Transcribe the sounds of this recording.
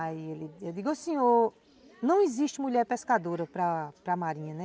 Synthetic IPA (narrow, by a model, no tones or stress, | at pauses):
ielɪewd̪iɡosĩo | nɐ̃w̃iziʃt͡ʃɪmuʎɛɾpeskad̪oɾɐpɾɐpɾɐmaɾĩɲɐnɛ